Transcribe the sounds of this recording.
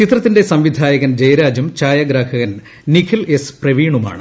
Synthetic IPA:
t͡ɕit̪rɐt̪ːinde̞sɐmʋid̪ʱaːjɐɣɐnd͡ʑɐjɾaːd͡ʑɐmt͡ɕaːjaɡɾaːhɐɣɐn | nikʰile̞sprɐʋiːɳuma̰ːɳɨ

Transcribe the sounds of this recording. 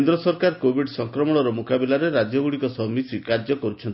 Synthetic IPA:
nd̪ɾɔsɔɾkaɾkobʱiɖsɔŋkɾɔmɔɽ̃ɔɾɔmukabilaɾeɾad͡ʒjɔɡuɽikɔsɔmisikaɾd͡ʒɔkɔɾut͡ʃʰɔnt̪i

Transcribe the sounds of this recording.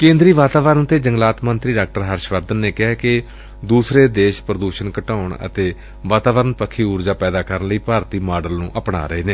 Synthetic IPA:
kẽːnd̪ɾiːʋaːt̪aːʋəɾənt̪eːd͡ʒəŋɡlaːt̪mənt̪ɾiːɖaːk̚ʈəɾɦəɾʃʋəɾd̪ənːeːkɪɦɛːkɪ | d̪uːsɾeːd̪eːʃpɾəd̪uːʃənkəʈaːʊɳə̰t̪eː | ʋaːt̪aːʋəɾənpəkʰːiːuːɾd͡ʒaːpɛːd̪aːkəɾənləiːpaːɾt̪iːmaːɖəlnṵ̃ːʔəpɳa̰ːɾəeːneː

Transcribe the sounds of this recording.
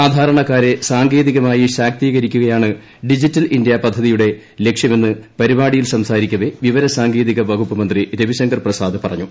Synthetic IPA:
aːd̪ʱaːɾɐɳɐkːaːɾe̞saːŋɡe̞ːðiɣɐmaːjiɕaːk̚t̪iːɣɐɾikʲːuɣɐjaːɳɨ | ɖid͡ʑitːɐlindjɐpɐd̪ʱːɐðijuɽe̞ | le̞kʂjɐme̞nːɨpɐɾibaːɽijilsɐmsaːɾikʲːɐʋeʋiʋɐɾɐsaːŋɡe̞ːðiɣɐbɐɡʱupːɐmɐnd̪riɾeʋiɕɐŋɡɐrprɐsaːd̪ɨpɐrɐ̰ɲːu

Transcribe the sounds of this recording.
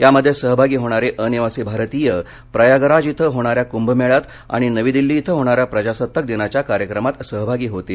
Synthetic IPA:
ɦjaməd̪ʱːjesəɦbʱaɡiːɦoɽ̃aɾeʔəniʋasibʱaɾt̪iːjə | pɾəjaɡəɾad͡ʑit̪ʰəɦoɽ̃aɾjakumbəmeɭat̪ | a̰ɽ̃inəʋiːd̪ilːiːt̪ʰəɦoɽ̃aɾjapɾəd͡ʑasət̪ːək̚d̪inat͡ɕjakaɾjəkɾəmat̪səɦbʱaɡiːɦot̪iː

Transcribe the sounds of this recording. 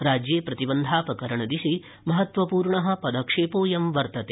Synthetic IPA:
ɾaːd͡ʒjeːpɾɐt̪ibɐnd̪ʱaːpɾɐkɐɾɐɳɐd̪iʃi | mɐɦɐt̪ʋɐpuːɾɳɐɦɐ̆pɐd̪ɐkʂeːpoːjɐmʋɐɾt̪ɐt̪eː

